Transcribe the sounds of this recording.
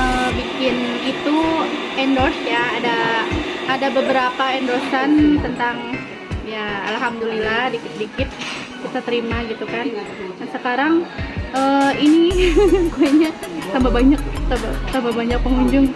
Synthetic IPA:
əbikɪn | it̪u | ɛndosjaːdaː | dabəbəɾapaɛndosant̪ənt̪aŋ | ja̰ːlɦamd̪ulilahdikɪt̪̚dikɪt̪̚ | kit̪at̪əɾimaɡit̪ukan | ansəkaɾaŋʔəinikuaɲasamabaɲak̚sabasamabaɲak̚pəŋuɲd͡ʒʊŋ

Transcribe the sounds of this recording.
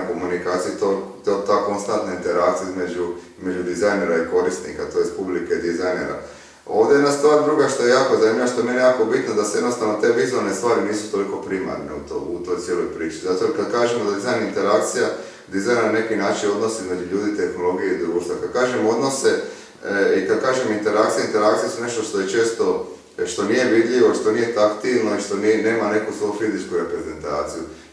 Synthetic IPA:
ko̞munikaːt̪sijut̪ot̪ot̪ako̞nst̪ant̪naint̪e̞ɾakt̪sijizmed͡ʒuizme̞d͡ʒud̪izajne̞ɾaiko̞ɾist̪nikat̪o̞jest̪publikeid̪izajnḛɾa̰ | o̞̰ːʋd̪ejed̪nast̪ʋaːɾd̪ɾuɡaʃt̪o̞je̞jaːko̞zanimʎʲiʋaʃt̪o̞jemenjejaːko̞bit̪nod̪asejed̪nost̪aʋno̞t̪e̞ʋizualˠnest̪ʋaːɾiniːsu̥t̪o̞liko̞pɾima̰ɾneut̪o̰ut̪o̞jt̪sjelo̞jpɾiːt͡ʃizat̪okad̪kaːʒemod̪ad̪izajnint̪eɾakt̪sija | d̪izajnanne̞kinaːt͡ʃino̞d̪no̞seizmed͡ʒuʎuːd̪it̪e̞xno̞lo̞ɡijeid̪ɾuːʃt̪ʋakad̪̚kaːʒemo̞d̪no̞se̞ | ikad̪̚kaːʒemint̪e̞ɾakt̪sijaint̪e̞ɾakt̪sijesune̞ʃt̪oʃt̪ojet͡ʃe̞ːst̪o̞ | ʃt̪o̞nije̞ʋid̪ʎiʋoiʃt̪o̞nije̞t̪akt̪ilno̞iʃt̪o̞nine̞ːmane̞kusʋojufizit͡ʃkuɾe̞pɾeze̞nt̪a̰ːt̪siju

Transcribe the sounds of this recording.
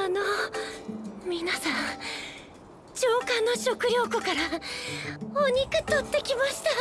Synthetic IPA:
ano | mʲinasãɰ | t͡ɕoːkãnːo̞ɕo̞kɯ̟ɾʲo̞ːko̞kaɾa | oɲ̟ʲikɯ̟t̪ot̪ːe̞kʲimaɕi̥t̪a

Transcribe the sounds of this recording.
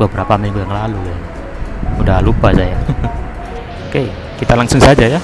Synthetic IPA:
bəbəɾapamɛmuaŋlaluja | udalupasaja | oke | kit̪alaŋsʊŋsad͡ʒaja

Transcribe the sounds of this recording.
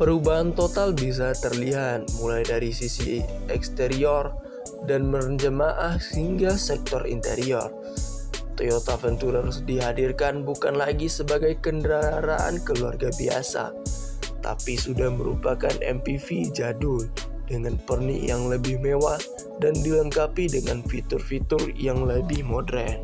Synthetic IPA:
pəɾubaɦant̪ot̪albis̬at̪ərliɦat̪̚mulajdaɾisisḭɛkst̪eɾiɔr | danmərɲd͡ʒəmaʔahhiŋɡasɛk̚t̪ɔrḭnt̪ḛɾiɔr | t̪ojot̪afənt̪uɾaɾʊsdiɦadirkanbukanlaɡisəbaɡajkəndəɾaɾaʔa̰nkəlua̰rɡabia̰sa̰ | t̪a̰pisudahməɾṵpakanɛ̰mpifid͡ʒadʊldəŋanpərnḭʔjaŋləbɪhmewah | dandiləŋkapidəŋanfit̪ʊrfit̪ʊrjaŋləbɪhmodɾɛn

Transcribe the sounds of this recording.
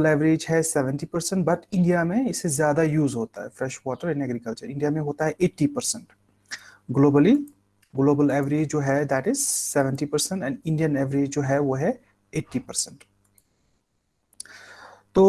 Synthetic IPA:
əlɛʋɾeːd͡ʒɦɛsɛʋə̃ɳʈipəɾsə̃ɳʈ̚bɐʈɪ̃ɳɖijamẽɪsːezjaːd̪ajuːzɦoːt̪aɦɛfɾɛʃʋɔːʈəɾɪ̃nɛɡɾikəlt͡ʃəɾɪ̃ɳɖijamẽɦoːt̪aɦɛʔeːʈːipəɾsə̃ɳʈ | ɡloːbəli | ɡloːbəlɛʋəɾeːd͡ʒd͡ʒoːɦɛd̪æːʈɪzsɛʋə̃ɳʈipəɾsə̃ɳʈɛ̃ɳɖɪ̃ɳɖijə̃nɛʋəɾeːd͡ʒd͡ʒoːɦɛʋoːɦɛ | eːʈːipəɾsə̃ɳʈ | t̪oː

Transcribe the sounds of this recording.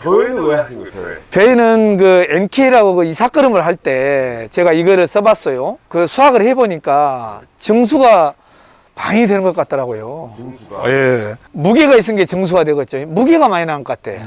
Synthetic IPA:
peinɯnkɯenkʰeiɾaɡokɯisʰak͈ɯɾɯmɯɭɦaɭt͈e̞t͡ɕe̞ɡaiɡʌɾɯɭs͈ʌbas͈ʌjokɯsʰuaɡɯɭhe̞boɲik͈a | t͡ɕɯŋs̬ʰuɡa | pa̰ŋidwe̞nɯnɡʌk͈at͈̚ʰʌɾaɡojo | jemuɡeɡais̬͈ɯnɡe̞t͡ɕɯŋs̬ʰuɡadweɡʌt̚t͡ɕ͈omuɡeɡamaɲinanɯʌk͈atʰe̞̰

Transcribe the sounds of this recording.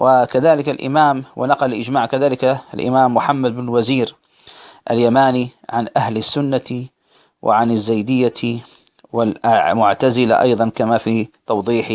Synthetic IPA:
wʔɪkaðaːlɪkalʔɪ̰maːmwʔɪ̰nɑqɑllʔɪd͡ʒmaːʕkaðaːlɪkalʔɪ̰maːmːʊħamːad̪̚bɪnɪlwaziːɾ | ʔa̰ljamaːniʕanʔahlɪsːʊnːa | wʔɪ̰ʕanɪzːajd̪ɪjːa | wɪlmʊʕt̪azɪla̰ʔɑ̰jðˤɑnkamafit̪ɑwðˤiːħ

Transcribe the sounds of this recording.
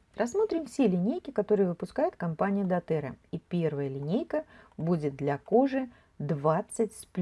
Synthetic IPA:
rʔɐsmo̞t̪ɾʲɪmfsʲelʲɪnʲejkʲɪkɐt̪o̞ɾɨjəvɨpʊskajɪt̪kɐmpanʲɪjʊd̪ɐt̪ɛɾə̰ipʲe̞rvəjəlʲɪnʲejkəbudʲɪt̪̚d̪lʲɐko̞ʐɨ | d̪vat̪sɨtʲsʲplʲ

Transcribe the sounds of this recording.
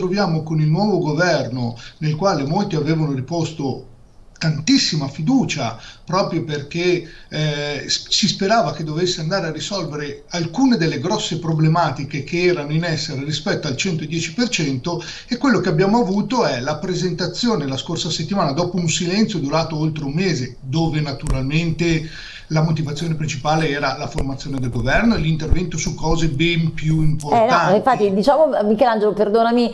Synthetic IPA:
t̪ɾovjaːmokonilnwɔːvoɡovɛrnonelkwaːlemolt̪iaveːvanoripost̪o | t̪ant̪isːimafid̪uːt͡ʃa̰pɾɔːpɾjoperke | ssispeɾaːvak̟ed̪ːovesːeand̪aːɾearːisɔlveɾe | alkuːned̪elːeɡɾɔsːepɾoblemaːt̪ikek̟eɛːɾanoinɛsːeɾerispɛt̪ːoalt͡ʃɛnt̪oed̪jɛːt͡ʃipert͡ʃɛnt̪o | ekːwelːokeabjaːmoavuːt̪oɛlapɾezent̪at̪sːjoːnelaskorsaset̪ːimaːnad̪ɔːpounsilɛnt̪sjod̪uɾaːt̪oolt̪ɾeumːeːze | d̪oːvenat̪uɾalment̪e | lamot̪̬ivat̪sːjoːnepɾint͡ʃipaːleɛːɾalaformat̪sːjoːned̪elɡovɛrnoelint̪ervɛnt̪osukːɔːzebɛmpjuimpornaniɱfat̪ːid̪it͡ʃaːmomikɛland͡ʒeloperd̪oːnami

